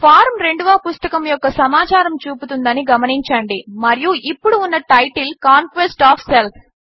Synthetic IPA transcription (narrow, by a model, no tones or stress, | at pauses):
pʰaːɾmɾe̞ɳɖuʋaːpust̪ɐkɐmjɔkːɐsɐmaːt͡ʃaːɾɐmt͡ʃuːput̪und̪ɐniɡɐmɐniɲt͡ʃɐːɳɖimɐɾijuʔipːuɽuːnːɐʈɐjʈilkaːŋkʋesʈaːpʰselpʰ